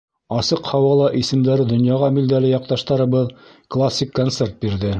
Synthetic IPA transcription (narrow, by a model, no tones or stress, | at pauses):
ɑsɤqhɑwɑlˠɑʔisɘ̆md̪æɾɘd̪ŏnjɑʁɑmild̪ælɘjɑq̚t̪ɑʃt̪ɑɾɤ̆βɤð | klˠasʲːikːont̪se̞rt̪̚biɾðɘ